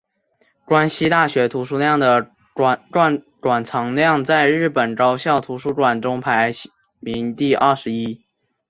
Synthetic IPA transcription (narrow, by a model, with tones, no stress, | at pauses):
ʈ͡ʂwa˥nɕi˥t̪a˥˩ɕɥɛ˧˥t̪ʰu˧˥ʂu˥ljɑ˥˩ŋd̪ə˩ | ʈ͡ʂwa˥˩nʈ͡ʂwa˨˩nt͡sʰɑ˧˥ŋljɑ˥˧ŋt͡sa˥˧ɪɻɻ̩˥˩pə˨˩nʈ͡ʂɑ˥ʊɕjɑ˥˩ʊt̪ʰu˧˥ʂu˥ʈ͡ʂwa˨˩nʈ͡ʂʊ˥ŋpʰa˧˥ɪ˥ɪ˥ | mi˧˥ŋt̪i˥˧ʔɐ˞˥˩ʂɻ̩˧˥i˥